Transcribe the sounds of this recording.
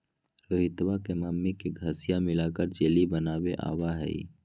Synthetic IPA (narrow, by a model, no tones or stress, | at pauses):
ɾoːɦɪt̪wakemaːmːikiɡʱəsɪjamɪlakəɾd͡ʒeːlibənaːweʔa̰ːwaɦɛ̰ḭ